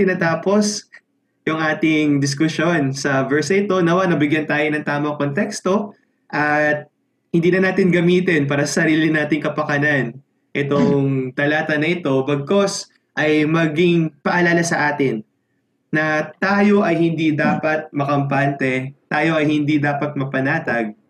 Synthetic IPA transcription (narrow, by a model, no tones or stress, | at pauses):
t̪ɪnaːt̪aːpo̞s | jʊŋʔaːt̪ɪŋd̪ɪs̬kʊsjo̞nsɐvɛɹsɐʔɪt̪o̞nɐwanɐbɪɡjɐnt̪aːjonɐŋt̪aːmɐŋkont̪ɛkst̪o̞ | ʔɐt̪̚ | hɪnd̪iːnɐnaːt̪ɪnɡɐmiːt̪ɪnpaːɾɐsɐsɐɾiːlɪnaːt̪ɪŋkɐpɐkɐnan | ʔɛt̪oŋt̪ɐlaːt̪ɐnɐʔɪt̪o̞bɐɡ̚ko̞s | ʔɐjmɐɡɪŋpɐʔɐlaːlɐsɐʔaːt̪ɪnː | ɐt̪aːjo̞ʔɐjhɪnd̪id̪aːpɐt̪̚mɐkɐmpant̪ɛt̪aːjo̞ʔɐjhɪnd̪id̪aːpɐt̪̚mɐpɐnaːt̪ɐɡ̚